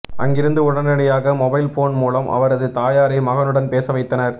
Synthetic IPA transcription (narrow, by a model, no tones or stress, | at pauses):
ʔɐ̰ŋɡɪɾɯnd̪ɯʊɽɐnɐɽɐjaːɣɐmɔbɐɪlfoːnmuːlɐmʔɐ̰ʋɐɾɐðɯt̪aːjaːɾɐɪmɐɣɐnɯɽɐnpeːsɐʋɐɪt̪ːɐnɐɾ